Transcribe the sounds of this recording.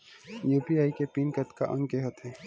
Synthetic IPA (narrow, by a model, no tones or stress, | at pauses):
juːpiaːikepiːnkət̪ka̰ʔɐ̰̃ŋɡkeɦot̪ɛ̃ː